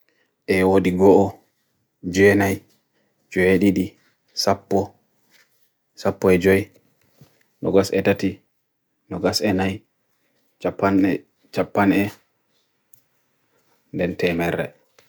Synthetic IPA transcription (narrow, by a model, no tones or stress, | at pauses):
ʔɛwodiɡɔʔɔ | d͡ʒɛnaj | d͡ʒɔeɗiɗi | sapːɔ | sapːɔɛd͡ʒɔj | nɔɡasɛtati | nɔɡasɛnaj | t͡ʃapːanɛ | t͡ʃapːanɛ | ndɛntɛmɛɾːɛ̰